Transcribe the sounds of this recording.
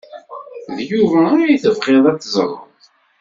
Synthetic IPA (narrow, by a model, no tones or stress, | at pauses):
ðjuvæːɾajθəvqeðˤæt͡sːzˤɾˤə̰ðˤ